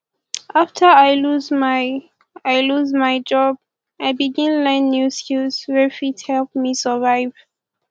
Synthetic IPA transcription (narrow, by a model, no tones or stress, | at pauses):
ʔaftʰəajluzmaj | ajluzmajd͡ʒɔb | ajbiɡĩnlɛ̃nːuskilsɹɛfithɛlpmisəvaɪv̥